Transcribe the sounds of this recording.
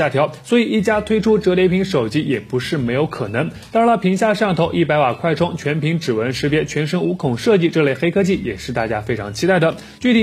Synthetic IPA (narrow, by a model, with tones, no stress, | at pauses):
a˥˩t̪ʰjɑ˧˥ʊswɔ˧˥i˨˩i˥˩t͡ɕja˥t̪ʰwe˥ɪʈ͡ʂʰu˥ʈ͡ʂɤ˧˥lje˧˥ɪpʰi˧˥ŋʂo˨˩ʊt͡ɕi˥jɛ˨˩pu˧˥ʂɻ̩˥˩me˧˥ɪjo˧˥kʰɤ˨˩nɤ˧˥ŋt̪a˥˩˥ə˥˧pʰi˧˥ŋɕ̬ja˥˧ʂɑ˥˩ŋt̪ʰo˧˥ʊʔi˥˩pa˧˥ɪwa˨˩kʰwa˥˩ɪʈ͡ʂʰʊ˥ŋt͡ɕʰɥɛ˧˥npʰi˧˥ŋʈ͡ʂɻ̩˨˩wə˧˥nʂɻ̩˧˥pjɛ˥t͡ɕʰɥɛ˧˥nʂə˥ŋu˧˥kʰʊ˨˩ŋʂɤ˥˧t͡ɕi˥˧ʈ͡ʂɤ˥˧le˥˩ɪxe˥ɪkʰɤ˥t͡ɕʰi˥˩jɛ˨˩ʂɻ̩˥˧t̪a˥˩t͡ɕja˥fe˥ɪʈ͡ʂʰɑ˧˥ŋt͡ɕʰi˥t̪a˥˩ɪd̪ə˩ | t͡ɕy˥˩t̪ʰi˨˩˦